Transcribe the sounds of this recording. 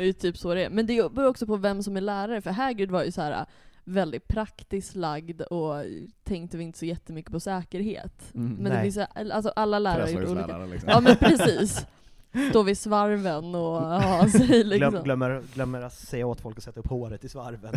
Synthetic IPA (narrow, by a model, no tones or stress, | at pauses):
t̪ʰyːpsod̪ɛæ̰ɾmɛnd̪ɛbɵɾɔksɔpʰɔvɛmsɔmæɭæːɾaɾəfœɾɦæːɡɾɪd̪vaɾjɵsɔhæːɾa̰ | vɛld̪ɪt̪̚pʰɾakt̪ɪsk̪laɡd̪ɔt̪ʰɛŋkt̪əvɪɪnt̪ə̥sɔjɛt̪ːəmʏkːə̥pɔsɛːkəɾhḛːt̪mɛnd̪ɛfɪnsjalsɔʔalːalæːɾaɾaɾʊːuːlikaːɑːmɛnpʰɾɛsiːs | st̪oːvɪsvaɾvənɔhɑːsɛjlɪkksɔmœmːəɾɡlœmːəɾat̪sɛjːaoːt̪fɔlkɔsɛt̪ːaɵpːhoːɾət̪ɪsvaɾvən